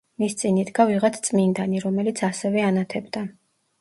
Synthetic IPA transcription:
mist̪sʼinid̪ɡaviʁat̪ʰt̪sʼmind̪aniɾɔmɛlit̪sʰasɛvɛanat̪ʰɛbd̪a

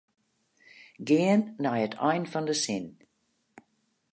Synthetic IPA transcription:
ɡɪənːajətʰɔjnfɔndəsɪn

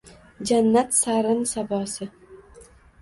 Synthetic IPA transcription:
d͡ʒanːat̪saɾɪnsabɒːsɪ

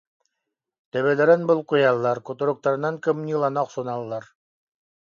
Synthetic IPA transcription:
t̪æ̆βælæɾɘnbɤlˠqŭjɑlˠːɑɾkŏt̪ŏɾŏk̚t̪ɑɾɤ̆nɑŋkɘ̆mnʲilˠɑnɑqsŭnɑlˠːɑɾ

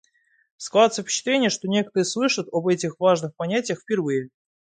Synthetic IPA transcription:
sklat̪səfpʲɪ̥ɕːɪ̥t̪lʲenʲɪjəʂt̪o̞nʲe̞kə̥t̪əɾəslˠɨʂət̪obɛtʲɪxvaʐnɨxpɐnʲætʲɪjəxfʲpʲɪrvɨjə

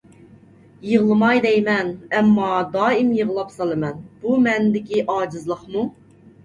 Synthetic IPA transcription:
jɨʁlˠɨmɑjd̪ɛjmɛnɛmːɑd̪ɑːimjəʁlˠɑpsɑlˠɨmɛnb̥umɛnd̪ɪkʲiʔɑːd͡ʒɨzlˠəχmu

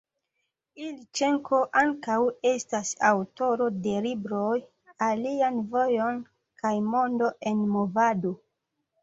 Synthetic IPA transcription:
ilit͡ʃe̞ŋko̞ʔaŋkawe̞stasawto̞ɾo̞de̞libɾo̞j | alianvo̞jo̞n | kʰajmo̞ndo̞ʔe̞nmo̞vado

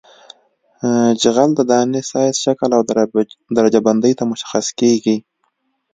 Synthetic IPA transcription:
d͡ʒaɣald̪əd̪ɑnesɑjzʃakəlawd̪aɾad͡ʒaband̪əjt̪amʊʃḁxaskeɡi

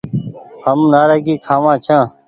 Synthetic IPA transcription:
həmnaːɾəɡiːkʰaːʋãːt͡ʃʰãː

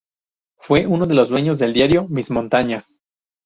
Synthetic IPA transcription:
fwe̞ʔuno̞ðe̞lo̞zd̪we̞ɲo̞zðe̞ld̪jaɾjo̞mizmõ̞nt̪aɲas

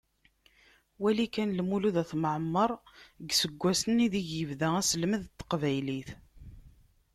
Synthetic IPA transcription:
wælikænlmuluðæθməʕəmːəɾˤɡsəɡʷːæsəniðiʝjəvðææsəlməðt̪ːə̥qvæjliθ

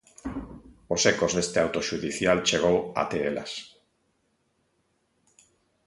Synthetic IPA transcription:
osekozðest̪eawt̪oʃuðiθjalt͡ʃeɣ̞owa̰t̪eela̰s

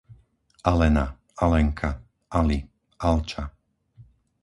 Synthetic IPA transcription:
ʔalɛna | alɛŋkʰa | ʔali | ʔalt͡ʃa

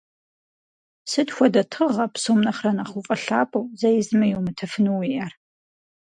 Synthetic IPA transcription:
sɨdxʷɔdɐtʰɨʁɐpsoːmnɐχrɐnaχufʼɐɬaːpʼowzɐjɪzɨmɐjuwmɨtʰɐfɨnuwiʔɐr

